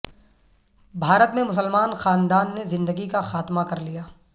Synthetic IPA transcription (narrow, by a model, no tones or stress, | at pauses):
bʱaːɾət̪mẽmʊs̬əlmaːnxaːnd̪aːnːezɪ̃nd̪əɡikaxaːt̪makɐɾlijaː